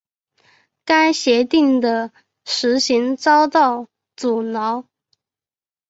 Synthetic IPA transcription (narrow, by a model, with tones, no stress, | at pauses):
ka˥nɕjɛ˧˥t̪i˥˩ŋd̪ə˨ | ʂɻ̩˧˥ɕi˧˥ŋt͡sɑ˥ʊt̪ɑ˥˩ʊ | t͡su˨˩nɑ˧˥˦ʊ